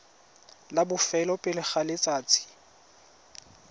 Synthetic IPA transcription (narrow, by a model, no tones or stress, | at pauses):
labʊfɛlɔpʼɪlɪχalet͡sʼaːt͡sʼɪ̥